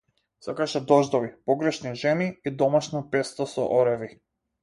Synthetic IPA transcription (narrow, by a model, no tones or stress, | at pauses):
sakaʃɛd̪ɔʒd̪ɔvipɔɡɾɛʃniʒɛniid̪ɔmaʃnɔpɛst̪ɔsɔ̰ʔɔɾɛvi